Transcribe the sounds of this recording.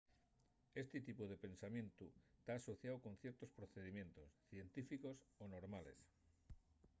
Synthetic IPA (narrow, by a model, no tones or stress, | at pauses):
e̞st̪et̪ipuðe̞pẽ̞nsamje̞nt̪ut̪aːso̞θjawko̞n̟θjeɾt̪ospɾoθeð̞imjẽ̞nt̪o̞sθje̞nt̪ifiko̞sonoɾmales